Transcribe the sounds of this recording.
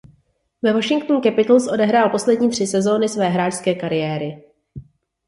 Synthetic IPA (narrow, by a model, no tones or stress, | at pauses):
vɛvoʃɪŋkt̪nukɛpɪt̪l̩sʔo̞dɛɦɾaːlpo̞slɛdɲiːt̪r̥ɪsɛzo̞ːnɪsvɛːɦɾaːʃskɛːkaɾɪjɛːɾɪ